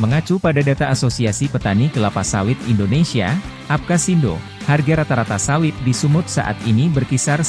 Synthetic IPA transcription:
məŋat͡ʃupadadat̪aːsosiasipət̪anikəlapasawɪt̪indonesia̰ | ʔap̚kasindo̰ | harɡaɾat̪aɾat̪asawɪt̪̚disumʊt̪̚sa̰ʔa̰t̪inibərkisar

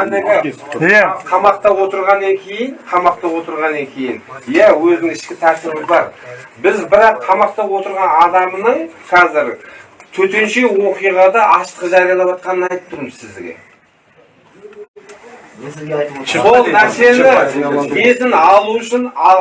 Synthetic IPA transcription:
ɑnd̪eɡʲɪ | qʰɑmɑq̚t̪ɑwo̞t̪əɾʁɑnːɑŋkʲʰe̞jɪɴqʰɑmɑqt̪ɑwo̞t̪əɾʁɑnːɑŋkʲʰe̞jɪnjæwɵzd̪ɪŋʰɪʃkʲɪt̪ʰæɾt̪ɪɾmɪzbɑɾbɪzbɪɾɑqʰːɑmɑq̚t̪ɑwo̞t̪əɾʁɑnɑd̪ɑmənəɴqʰɑzɪɾt̪ʰɵt̪e̞nʃe̞wo̞qijʁɑd̪ɑʔɑʃt̪əqʒɑɾijɑlˠɑʒɑt̪̚qɑnənɑjt̪ə̥p̪̚t̪ʊɾməzsɪzd̪ɡʲḛ | so̞lˠnæɾse̞nɪk̪ʰezɪnɑlˠuʏʃɪnɑ

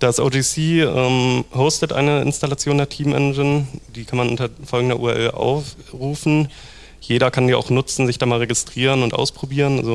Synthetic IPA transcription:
d̥asʔoːd͡ʒisiːʔɛːmhoʊstətʔa̰ɪnəʔɪ̰nstalat͡sjoːndeːɐtʰiːmʔɛ̰nd͡ʒɪnd̥iːkʰanmanʔʊ̰ntɐfɔlɡŋ̩dɐʔuːɛɐʔɛ̰lʔa̰ʊf | ʁuːfn̩ | jeːɾɐkʰandiːa̰ʊxnʊt͡sn̩zɪçd̥aːmaːlʁeɡɪstʁ̥iːʁ̞ənʊntʔa̰ʊspʁ̥obiːʁənʔa̰zo

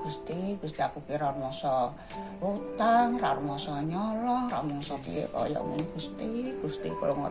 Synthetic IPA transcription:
ɡ̥ust̪iɡ̥ust̪iakukiɾarumɔsɔ | ut̪aŋra̰rumɔsɔɲɔlɔhramɔŋsɔpḭjḛkɔ̰jɔ̰minɡ̥ust̪iɡ̥ust̪ḭkuloŋɔ̰

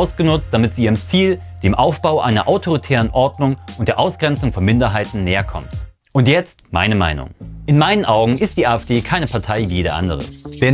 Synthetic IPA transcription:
ʊsɡ̥ənʊt͡st̚d̥amɪtz̥iːiːʁəmt͡siːl | d̥eːmʔaʊfb̥aʊʔa̰ɪnɐ̰ʔaʊtʰoʁ̞itʰɛːʁənʔɔɐdnʊŋʔʊnt̚d̥eːɐʔaʊsɡ̥ʁɛnt͡sʊŋfɔnmɪndɐɦaɪtn̩nɛːɐkʰɔ̰mt | ʔʊntjɛt͡stma̰ɪnəma̰ɪnʊ̰ŋʔɪnmaɪnənʔaʊɡŋ̩ʔɪstd̥iːaːɛfd̥eːkʰaɪnəpʰaɐtʰaɪviːjeːdɐ̰ʔa̰ndəʁ̞ə̰v̥ɛ

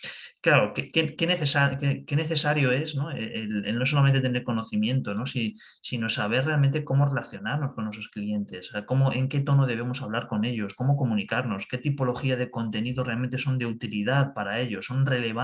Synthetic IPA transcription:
klaɾokekeke̞neθesakeke̞ne̞θe̞saɾjo̞e̞sno̞ḛelelno̞s̬olamẽnt̪et̪e̞neɾko̞no̞θimjẽ̞nt̪o̞no̞si | sino̞saβ̞e̞re̞almẽnt̪eko̞mo̞re̞laθjo̞naɾno̞skonːwes̬o̞sklie̞nt̪e̞sako̞mo̞ʔe̞ŋke̞t̪o̞noð̞e̞β̞e̞mo̞saβlaɾko̞ne̞ʎo̞sko̞mo̞ko̞mũnikaɾno̞ske̞t̪ipo̞lo̞xiað̞eko̞nt̪e̞niðorealme̞nt̪eo̞nd̪e̞ut̪ilið̞aðpaɾae̞ʎo̞sːo̞nre̞le̞βa

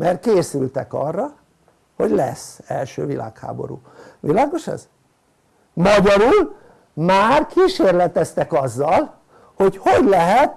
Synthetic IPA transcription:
mʔɛrkeːsylt̪ɛkɒ̰rːɒ | ho̞ɟlɛ̰sɛ̰lʃø̰ːvilʔa̰ːkha̰ːbo̞ɾṵːʋilaːɡo̞ʃɛ̰z | mɒɟɒɾul | maːrkiːʃeːrlɛt̪ɛst̪ɛkɒzːɒl | ho̞cho̞ɟlɛɦɛt̪

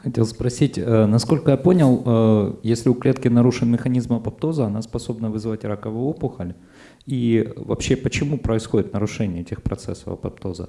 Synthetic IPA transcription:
xɐtʲe̞lˠspɾɐsʲitʲənɐsko̞lʲkəjapo̞nʲɪlˠəjesʲlʲɪʊklʲe̞t̪kʲɪnɐɾuʂɨnmʲɪxɐnʲizmɐpɐp̚t̪o̞zəɐnaspɐso̞bnəvɨzvatʲɾakəvʊjopʊxəlʲ | ivɐ̰pɕːe̞pət͡ɕɪmupɾəɪsxo̞dʲɪt̪nəɾʊʂɛnʲɪjəɛtʲɪxpɾɐ̰t̪sɛsə̰fɐ̰pɐ̰p̚t̪o̞zə̰

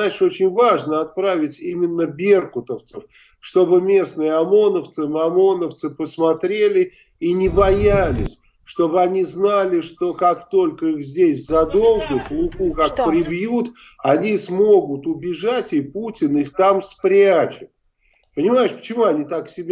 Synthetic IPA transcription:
najɪʂo̞t͡ɕɪnʲvaʐnəɐt̪̚pɾavʲɪtʲimʲɪnːəbʲerkʊt̪əft̪səf | ʂt̪o̞bɨmʲe̞snɨjəɐmo̞nəft̪sɨmɐmo̞nəft̪sɨpəsmɐt̪ɾʲelʲɪ | inʲɪbɐjalʲɪ̰sʲ | ʂt̪o̞bɨɐnʲiznalʲɪʂt̪o̞kakt̪o̞lʲkəixzʲdʲesʲzɐd̪o̞lˠɡʊklˠʊkukak̚pɾʲɪbjut̪ | ɐnʲismo̞ɡʊt̪ʊbʲɪʐatʲɪputʲɪnɨt̪amspɾʲat͡ɕɪt̪ | pənʲɪmajɪʂpə̥t͡ɕɪmuɐnʲit̪aksʲɪbʲ

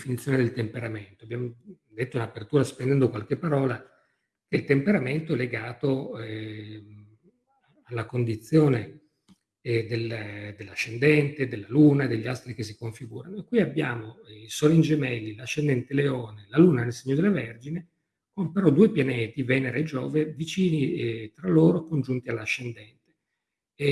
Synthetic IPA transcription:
finit̪sːjoːned̪elt̪empeɾament̪oabːjaːmo | d̪et̪ːounapert̪uːɾaspend̪ɛnd̪okwalk̟epːaɾɔːla | kelt̪empeɾament̪oɛleɡaːt̪o | alːakond̪it̪sːjoːne | d̪eld̪elːaʃːend̪ɛnt̪ed̪elːaluːnad̪eʎːiast̪ɾikes̬ːikoɱfiɡuːɾanoekːwiabːjaːmoisoːlind͡ʒemɛlːilaʃːend̪ɛnt̪eleoːnelaluːnanelseɲːod̪elːaverd͡ʒine | kompeɾɔd̪uepjaneːt̪ivɛːneɾeed͡ʒoːvevit͡ʃiːnit̪ɾalːoːɾokond͡ʒunt̪ialːaʃːend̪ɛnt̪e̥

